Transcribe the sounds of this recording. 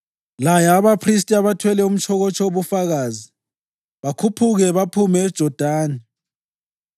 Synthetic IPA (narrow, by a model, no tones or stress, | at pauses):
lajaːβapʰris̬tʼiaβatʰwɛlɛum̩t͡ʃʰɔɣɔt͡ʃʰʼɔoβufaɣaːzi | βakʰupʰuɣɛβapʰumɛːd̥ʒ̥ʱɔd̥ʱaːni